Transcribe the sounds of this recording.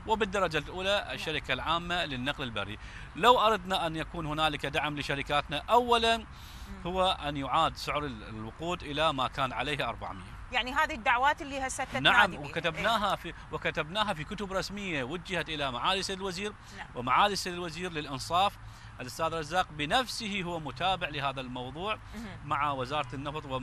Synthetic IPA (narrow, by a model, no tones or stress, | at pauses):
wɪbɪd̪ːɑɾˤɑd͡ʒalʔuːlaʔɪ̰ʃːaɾɪkalʕaːmːalɪnːaqlɪlba̰rːḭ | lawʔɑɾˤɑd̪naʔanjakuːnhʊnaːlɪkad̪aʕmlɪʃaɾɪkaːt̪naʔawːalan | hʊwːaʔanjʊʕaːd̪sʊʕɾɪwʊquːd̪ʔɪlamakaːnʕa̰lejːhaʔɑ̰ɾˤba̰ʕmɪ̰jːa̰jaʕniɦaːðid̪ːaʕwaːt̪ɪlːiːhasat̪ːanaʕʕamwɪkat̪abnaːɦafiwɪkat̪abnaːɦafikʊt̪ʊbɾˤɑsmɪjːawʊd͡ʒːahat̪ʔɪlamaʕaːliseːd̪lwaziːɾ | wɪmaʕaːliseːd̪ɪlwaziːɾlɪlʔɪnsˤɑːf | ʔalʔʊst̪aːd̪ɾˤɑzːaːqbɪnafsɪhihʊwːamʊt̪aːbɪʕlɪhaːðalmɑwðˤuːʕ | maʕawɪzɑːɾˤɑt̪nːɑft̪ˤwɪ